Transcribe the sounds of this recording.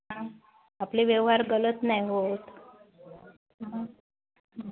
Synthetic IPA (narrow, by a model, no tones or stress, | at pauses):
ɦã | apliːʋjɛʋɦaɾɡələt̪najɦot̪